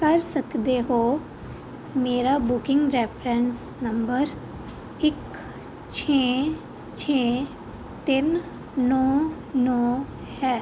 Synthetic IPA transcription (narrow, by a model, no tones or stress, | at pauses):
kɐɾsəkd̪eɦoː | meːɾabʊkɪ̃ŋɡɾepʰɾɛ̃ns | nɐmbəɾ | ɪk | t͡ʃʰeː | t͡ʃʰeː | t̪ɪn | nɔː | nɔː | hɛː